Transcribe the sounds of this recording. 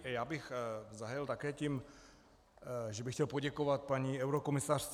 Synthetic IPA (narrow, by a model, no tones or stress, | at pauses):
jaːbɪxzaɦɛlt̪akɛːcim | ʒɛbɪxcɛlpoɟɛkovat̪̚paɲiɛwɾokomɪsar̥t͡s